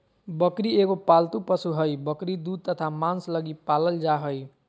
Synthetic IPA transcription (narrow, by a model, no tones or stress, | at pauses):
bʌkɾiekopalt̪upʌsuɦʌjbʌkɾid̪ud̪̚t̪ʌt̪ʰamanslʌɡipalʌld͡zaɦʌj